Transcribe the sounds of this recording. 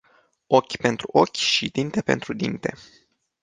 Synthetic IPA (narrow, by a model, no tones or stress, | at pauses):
o̞kʲpe̞nt̪ɾuʔo̞kʲʃid̪int̪e̞pe̞̰nt̪ɾud̪int̪e̞̰